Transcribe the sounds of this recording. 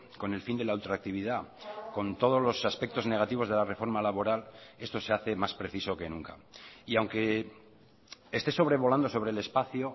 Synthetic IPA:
ko̞ne̞lfind̪e̞lault̪ɾak̚t̪iβ̞iðako̞nt̪o̞ð̞o̞zlo̞saspe̞k̚t̪o̞zne̞ɣ̞at̪iβ̞o̞zðelare̞fo̞ɾmalaβo̞ɾale̞st̪o̞se̞aθe̞maspɾe̞θiso̞ke̞nũŋka̰iawŋke̞ | est̪e̞so̞β̞ɾe̞β̞o̞land̪o̞so̞β̞ɾe̞ːle̞spaθjo

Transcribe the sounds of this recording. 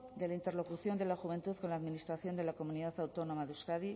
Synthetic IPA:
d̪e̞laint̪e̞rlo̞kuθjo̞nd̪e̞laxuβe̞nt̪uθko̞nlaːðminist̪ɾaθjo̞nd̪elako̞mũniðaθawt̪o̞no̞maðeuskaði

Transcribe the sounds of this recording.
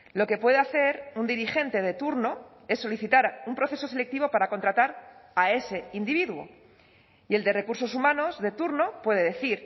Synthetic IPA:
lo̞ke̞pwe̞ðeaθe̞ɾund̪iɾixe̞nt̪e̞ð̞e̞t̪uɾno | e̞sːo̞liθit̪aɾumpɾo̞θe̞so̞se̞le̞k̚t̪iβo̞paɾako̞nt̪ɾat̪aɾae̞se̞ind̪iβiðwo̞̰ | ie̞ld̪ere̞kuɾso̞sumãno̞zðe̞t̪uɾno̞pwe̞ð̞e̞ðe̞θiɾ

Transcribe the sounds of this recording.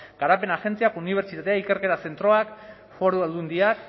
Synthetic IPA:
ɡ̥aɾape̞naxe̞nt͡siakuniβ̞e̞ɾt͡ʃit̪at̪e̞aike̞ɾke̞t̪ase̞nt̪ɾo̞ak | fo̞ɾuald̪und̪iak

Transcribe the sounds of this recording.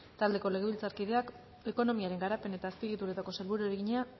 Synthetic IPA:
t̪ald̪e̞ko̞leɣe̞βilt͡saɾkið̞e̞ak | e̞ko̞no̞miaɾe̞ŋɡaɾape̞ne̞t̪aːspiɣit̪uɾet̪ako̞selβuɾueɾeɣiɲa

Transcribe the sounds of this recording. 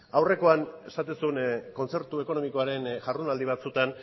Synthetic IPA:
awre̞ko̞ane̞sat̪usunko̞nt͡se̞ɾt̪ue̞ko̞no̞miko̞aɾe̞nʝarðunald̪iβ̞at͡sut̪an

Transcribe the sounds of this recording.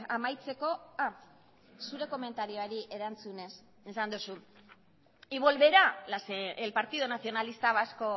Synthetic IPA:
amajt͡se̞ko̞a | suɾe̞ko̞me̞nt̪aɾio̞aɾiʔe̞ɾant͡sune̞s | esand̪usun | iβo̞lβe̞ɾalselpaɾt̪iðonaθio̞nalist̪aβasko̞

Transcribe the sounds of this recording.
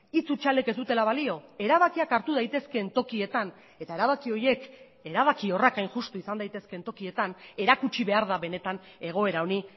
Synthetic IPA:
it͡sut͡ʃale̞ke̞zd̪ut̪e̞laβalio̞e̞ɾaβakiakaɾt̪uð̞ajt̪e̞ske̞nt̪o̞kie̞t̪an | e̞t̪ae̞ɾaβakio̞je̞k | e̞ɾaβakio̞rakajnʝust̪uisand̪ajt̪e̞ske̞nt̪o̞kie̞t̪ane̞ɾakut͡ʃiβe̞aɾð̞aβe̞ne̞t̪ane̞ɣ̞o̞e̞ɾaoni

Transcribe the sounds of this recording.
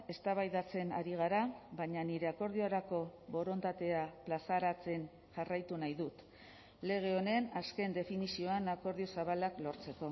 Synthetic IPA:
e̞st̪aβajðat͡se̞na̰ɾiɣ̞aɾaβaɲaniɾe̞ako̞ɾð̞ioaɾako̞βo̞ɾo̞nt̪at̪e̞aplasaɾat͡se̞n | ʝarajt̪unajðut̪ | le̞ɣ̞e̞o̞ne̞naske̞nd̪e̞finisio̞anako̞ɾðio̞saβalaklo̞ɾt͡se̞ko̞

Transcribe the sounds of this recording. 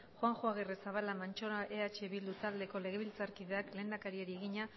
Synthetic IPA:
xoaŋxoaɣ̞eresaβalamant͡ʃo̞ɾaʔe̞at͡ʃe̞βild̪ut̪ald̪e̞ko̞le̞ɣ̞e̞βilt͡saɾkiðe̞akle̞ːnd̪akaɾieɾieɣiɲa

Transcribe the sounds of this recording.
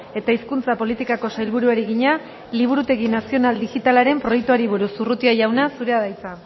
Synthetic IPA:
e̞t̪aiskunt͡sapo̞lit̪ikako̞sajlβuɾuaɾiɣiɲa | liβ̞uɾut̪e̞ɣinasio̞nald̪ixit̪alaɾe̞mpɾo̞jek̚t̪uaɾiβ̞uɾusurut̪iaʝawnasuɾe̞aðajt͡sa

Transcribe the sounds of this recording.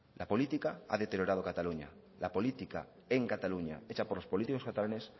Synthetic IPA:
lʔapo̞lit̪ikaa̰ðe̞t̪eɾjo̞ɾaðo̞kat̪aluɲa̰ | lapo̞lit̪ika̰ | eŋkat̪aluɲa̰et͡ʃapo̞ɾlo̞spo̞lit̪ikoskat̪alane̞s

